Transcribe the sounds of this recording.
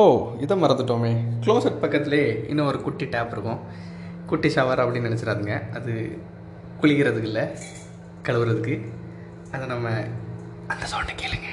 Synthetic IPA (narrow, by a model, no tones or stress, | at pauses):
oːɪðɐmɐɾɐnd̪ɯʈːoːmeːkɪɭoːsɐʈ̚pɐkːɐt̪ːɪleːɪ̰nːɐ̃ɔɾɯkʊʈːiʈaːpɪɾɯkːʊ̃ | kʊʈːisɐʋaːɾɐpːɐɽɪnnɪnɛt͡ʃːɪɾaːðɯŋɡɐʔɐðɯ | kʊɭɪkɪɾɐðɯkːɪlːɐ | kɐɭɐʋɯɾɐðɯkːɯ | ɐðɐnɐmːɐ | ɐnd̪ɐsoːɳɖɐkeːlɯŋɡɐ